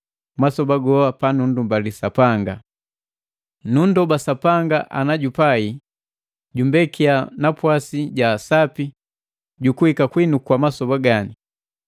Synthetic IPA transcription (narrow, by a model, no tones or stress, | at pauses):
masɔbaɡɔapanundumbalisapaŋɡa | nundɔbasapaŋɡaʔa̰naɟupai | ɟumbɛkianapwasiɟasapi | ɟukuhikakwinukwamasɔbaɡani